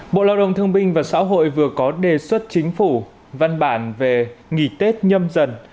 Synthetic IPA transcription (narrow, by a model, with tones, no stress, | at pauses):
ɓo̰˧˨laː˧˩wɗə̰˧˨wŋ͡mt̪ʰɨ˧əŋɓï˧ŋ̟vaː˨˩sa̰ː˧˥ɦo̰˧˨jvɨ˨˩əkɔ˨˦ɗe˨˩swə˦˥t̚t͡ɕï˨˦ŋ̟fu˧˩ | va˧nɓaː˧˩nve˨˩ŋḭ˧˩˨t̪e˦˥t̚ɲə˧mzə˨˧˩n